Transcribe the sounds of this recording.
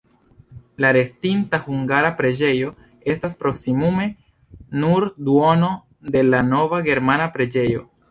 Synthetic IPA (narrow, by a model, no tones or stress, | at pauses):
laɾe̞stintahuŋɡaɾapɾe̞d͡ʒe̞jo̞ | e̞staspɾo̞ksimume̞ | nuɾduo̞no̞ | de̞lano̞vaɡe̞ɾmanapɾe̞d͡ʒe̞jo̞